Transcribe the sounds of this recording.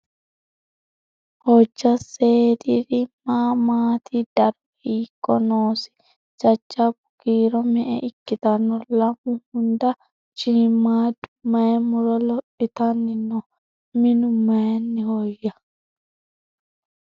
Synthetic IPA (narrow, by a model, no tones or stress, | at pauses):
hɔd͡ʒːaseːdiɾimamaːt̪ʰidaɾwikːɔnɔːsi̥ | t͡ʃad͡ʒːabuɡ̥iːɾɔmɛʔɛ̰ʔikːit̪anːɔlamuhunda | t͡ʃimadumaɛmuɾɔlɔɗit̪anːinɔ | minumːanːihɔjːa